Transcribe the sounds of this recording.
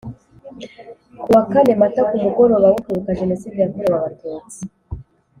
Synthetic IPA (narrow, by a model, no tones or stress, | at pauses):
kuwakane̞matakumuɡo̞ɾo̞βawukiɾukaʒe̞no̞siːdijamuɾowaβatuːt͡si̥